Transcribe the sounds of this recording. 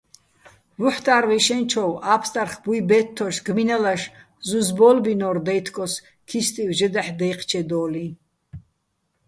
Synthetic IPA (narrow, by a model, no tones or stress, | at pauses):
vuħt̪ʼaːɾviʃɛnt͡ʃʰɔwapʰst̪ʼaɾχbujbɛt̪ʰːɔʃɡminalaʃ | zuzbɔlbinɔɾd̪ɛjt̪ʰkʼɔs | kʰist̪ʼivʒəd̪aħd̪ɛjqʰt͡ʃʰɛd̪ɔːli